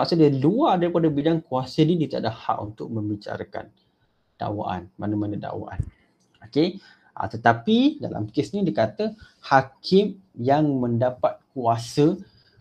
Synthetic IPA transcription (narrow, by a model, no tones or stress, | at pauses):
maʔksudiluadaɾipadabidaŋkuasənidit̪adaha̰ʔunt̪ʊk̚mə̃mbit͡ʃa̰ɾaka̰n | d̥a̰wa̰ʔa̰nmanamanada̰wa̰ʔa̰n | oke | ʔa̰t̪ət̪apida̰la̰mkesnĩdikat̪əhakʰɪm | jaŋmə̃ndapat̪̚kuasə